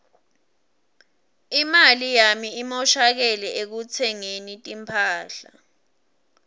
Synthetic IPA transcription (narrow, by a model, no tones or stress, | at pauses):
imalijamiimɔʃak̬ɛlɛʔek̬ut͡sʰɛŋenitʼimpʰaːɬa